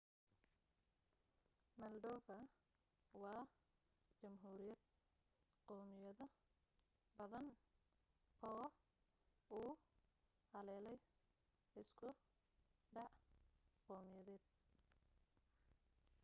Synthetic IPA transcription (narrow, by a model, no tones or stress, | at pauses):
mɐlɖ̪ɔːfɐ | wɑː | t͡ʃɐmɦuːɾɪjɐd̪̚ | qɔːmɪjɐðɐ | bɐðɐn | ʔɔː | uː | hɐlɛːlɛj | ɪskʰʊ | ɖɑʕqɔːmɪjɐðɛːd̪̚